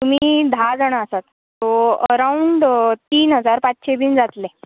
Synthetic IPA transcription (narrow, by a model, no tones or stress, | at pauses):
t̪um̤iːd̪ʱad͡zəɳ̃asat̪ːoəɾauɳɖt̪iːnɦəd͡zaɾpatɕebiːnd͡zat̪le